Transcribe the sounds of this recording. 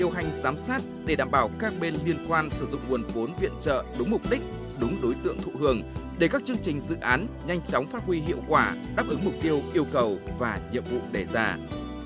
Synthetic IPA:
ɗi˨˩əwɦa˨˩jŋ̟zaː˨˦msaː˦˥t̚ɗe˧˩ɗaː˧˩mɓaː˧˩wkaː˦˥k̚ɓe˧nli˧ənkwaː˧nsɨ˧˩zʊ̰˧˨ŋ͡mu˨˩ənfo˨˦nvḭ˧˨ənt͡ɕə̰ː˧˨ɗʊ˨˦ŋ͡mmʊ˨˩k͡p̚ɗï˦˥k̟̚ | ɗʊ˨˦ŋ͡mɗo˨˦jt̪ɨ̰˧˨əŋt̪ʰṵ˧˨hɨ˨˩əŋɗe˧˩kaː˦˥k̚t͡ɕɨ˧əŋt͡ɕï˨˩ŋ̟zɨ̰˧˨ʔaː˨˦nɲa˧jŋ̟t͡ɕɔ˨˦wŋ͡mfaː˦˥t̚hwi˧ɦḭ˧˨əwkwaː˧˩ɗaː˦˥p̚ʔɨ˨˦ŋmʊ˨˩k͡p̚t̪i˧əwʔi˧əwkə˨˩wvaː˨˩ɲḭ˧˨əmvṵ˧˨ɗe˧˩zaː˧

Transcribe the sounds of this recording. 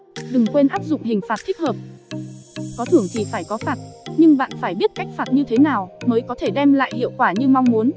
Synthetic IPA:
ɗɨ˨˩ŋkwe˧nʔaː˦˥p̚zʊ̰˧˨ŋ͡mhï˨˩ŋ̟faː˨˩t̚t̪ʰi˦˥k̟̚həː˨˩p̚ | kɔ˨˦t̪ʰɨ˧˩əŋt̪ʰi˨˩faː˧˩jkɔ˨˦faː˨˩t̚ɲɨ˧ŋɓa̰ː˧˨nfaː˧˩jɓi˦˥ət̚ka˦˥jk̟̚faː˨˩t̚ɲɨ˧t̪ʰe˨˦naː˨˩wməː˨˦jkɔ˨˦t̪ʰe˧˩ɗɛ˧mla̰ː˧˨jhḭ˧˨əwkwaː˧˩ɲɨ˧ma˧wŋ͡mmu˨˦ən

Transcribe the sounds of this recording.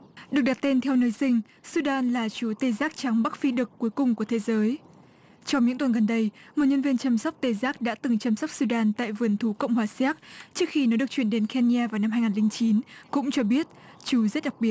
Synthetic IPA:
ɗɨ˨˩ək̚ɗa˨˩t̚t̪e˧nt̪ʰɛ˧wnəː˧jsï˧ŋ̟ | su˧ɗaː˧nlaː˨˩t͡ɕu˨˦t̪e˧˩zaː˦˥k̚t͡ɕa˨˦ŋɓa˦˥t̚fi˧ɗɨ˨˩kkːu˨˦jkʊ˨˩ŋ͡mku˧˩ət̪ʰe˨˦zəː˨˦j | t͡ɕɔ˧wŋ͡mɲɨ̰˧˥ŋt̪wə˨˩nɣə˨˩nɗə˧jmo˨˩ɲə˧nvi˧ənt͡ɕa˧msa˦˥wk͡p̚t̪e˨˩zaː˦˥k̚ɗa̰ː˧˥t̪ɨ˨˩ŋt͡ɕa˧msa˦˥wk͡p̚su˧ɗaː˧nt̪a̰ː˧˨jvɨ˨˩ənt̪ʰu˨˦kə̰˧˨wŋ͡mɦwaː˨˩saː˦˥k̚t͡ɕɨ˦˥ək̚xi˧nɔ˨˦ɗɨ˨˩əkt͡ɕwi˧˩nɗe˨˦nkɛ˧ni˧aː˧vaː˨˩wna˧mhɦaː˧jŋaː˨˩lï˧ŋt͡ɕi˨˦nkʊ̰˧˥ŋ͡mt͡ɕɔ˧ɓi˦˥ət̚ | t͡ɕu˨˦zə˦˥t̚ɗa˨˩k̚ɓi˨˩ət̚

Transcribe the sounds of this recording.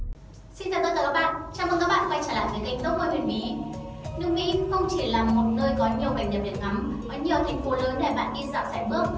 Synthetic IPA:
si˧naː˨˩t̪ə˧t̪əː˧˩ka˦˥ɓa̰ː˧˨nt͡ɕaː˧mt̪ə˧ka˦˥ɓa̰ː˧˨˧kwa˧jt͡ɕaː˧˩laː˧˨˩ki˨˦ki˧˩ŋ̟ɗo˦˥t̚mo˧jhwi˨˩nmʔḭ˨˦nɨ˧ŋmḭ˧˥xə˧wŋ͡mt͡ɕi˧˩laː˨˩mo˨˩t̚nəː˧jɣɔ˨˦ɲi˨˩əwɓaː˨˧˩ŋ̟ɗi˨˩ɗi˨˩k̚na˨˦mkɔ˨˦ɲi˨˩əwt̪ʰa˨˩ŋ̟fo˨˦ləː˨˦nɗe˧˩ɓa̰ː˧˨nɗi˧za̰ː˧˨wsa̰˧˩ɓɨ˦˥ək̚

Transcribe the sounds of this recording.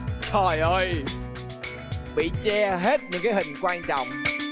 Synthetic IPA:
tʰɔ˨˩jʔəː˧j | ɓḭ˧˩˨t͡ɕɛ˧ɦe˦˥t̚ɲɨ̰˧˥ŋkaː˨˦jhï˨˩ŋ̟kwaː˧nt͡ɕɔ̰˧˨wŋ͡m

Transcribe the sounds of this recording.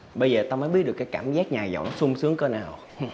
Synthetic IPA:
ɓə˧jzəː˨˩t̪aː˧məː˨˦jɓi˦˥t̚ɗkːaː˨˦jkaː˧˩˨mzaː˦˥t̚ɲaː˨˩zə̰˧˨wnɔ˨˦sʊ˧ŋ͡msɨ˨˦əŋkəː˧naː˨˩w

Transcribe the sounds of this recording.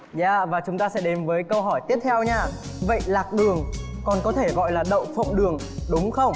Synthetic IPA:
zaː˧˨vaː˨˩t͡ɕʊ˨˦ŋ͡mt̪aː˧sɛ̰˧˥ɗe˨˦nvəː˨˦jkə˧wɦɔ˧˩jt̪i˦˥əp̚t̪ʰɛ˧wɲaː˧˩və̰˧˨jlaː˨˩k̚ɗɨ˨˩əŋkɔ˨˩nkɔ˨˦t̪ʰe˧˩ɣɔ̰˧˨jlaː˨˩ɗə̰˧˨wŋ͡mfə̰˧˨wŋ͡mɗɨ˨˩əŋɗʊ˨˦ŋ͡mxə˧wŋ͡m

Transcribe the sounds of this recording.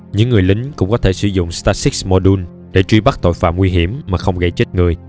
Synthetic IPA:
ɲɨ̰˧˥ŋːɨ˨˩əjlï˨˦ŋ̟kʊ̰˧˥ŋ͡mkɔ˨˦t̪ʰe˧˩sɨ˧˩˦zʊ̰˧˨ŋ͡mst̪aː˧si˦˥k̚smɔ˧ɗu˧n | ɗe˧˩t͡ɕwi˧ɓa˦˥k̚t̪o̰˧˨jfa̰ː˧˨mŋwi˧ɦi˧˩əmːaː˨˩xə˧wŋ͡mɣə˧jt͡ɕe˦˥t̚ŋɨ˨˩əj

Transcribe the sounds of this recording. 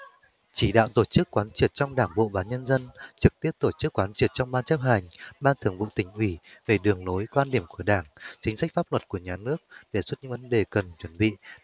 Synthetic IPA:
t͡ɕi˧˩ɗa̰ː˧˨wt̪o˧˩t͡ɕɨ˦˥kːwaː˨˦nt͡ɕi˧˨˩ət̚t͡ɕɔ˧wŋ͡mɗaː˧˩ŋɓo̰˧˨ɓaː˨˦ɲə˧nzə˧nt͡ɕɨ˨˩k̚t̪i˦˥əp̚t̪o˧˩t͡ɕɨ˦˥əkːwaː˨˦nt͡ɕi˧˩ət̚t͡ɕɔ˧wŋ͡mɓaː˧nt͡ɕə˦˥p̚ha˨˩jŋ̟ɓaː˧nt̪ʰɨ˨˩əŋvṵ˧˨t̪ï˨˩ŋ̟ʔwi˧˩ve˨˩ɗɨ˨˩əŋno˨˦jkwaː˧nɗi˧˩əmku˧˩əɗaː˧˩ŋt͡ɕï˨˦ŋ̟sa˦˥k̟̚faː˦˥p̚lwə˨˩t̚ku˧˩əɲaː˨˩nɨ˦˥ək̚ɗe˧˩swə˦˥t̚ɲɨ̰˧˥ŋvə˨˦nɗe˨˩kə˨˩nt͡ɕwə˧˩nɓḭ˧˨

